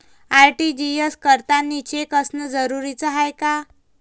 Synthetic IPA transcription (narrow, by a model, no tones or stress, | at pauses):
ajʈid͡ʑijeskəɾt̪anːit͡ɕekəsnəd͡zəɾuɾit͡səɦajka